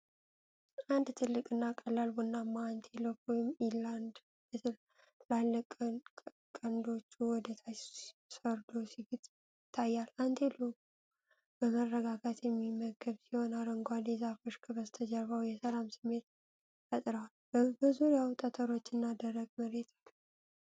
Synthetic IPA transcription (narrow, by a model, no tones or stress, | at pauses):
ʔand̪t̪ʰɨlːɨkʼɨnːakʼːəlalbunːamːaːnt̪ʰelokɔjɪmiland̪ | lalːəkʼ | kʼənd̪o̞t͡ʃːuwɔd̪ət̪ʰasəɾd̪osiɡɨt̪ʼː | ɪt̪ʰːajːalant̪ʰe̞loku | b̥əmərːəɡaɡat̪jɛmːiməɡəβsiho̞naɾɨŋɡʷad̪ezafoʃkʰɨβəzt̪ʰəd͡ʒəɾawjɛsəlamsɨmːe̞t̪ | fət̪ʼɾəwalbəbəzuɾjawt̪ʼət̪ʰʼəɾo̞t͡ʃːɨnːad̪ərːəɡ̚məɾe̞t̪ʰalː